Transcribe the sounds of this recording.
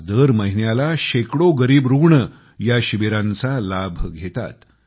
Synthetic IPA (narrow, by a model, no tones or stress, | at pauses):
d̪əɾməɦinjalaɕekɽoɡəɾiːbɾuɡɳə | jaɕiʋeɾãnt͡salabʱɡʱet̪a̰t̪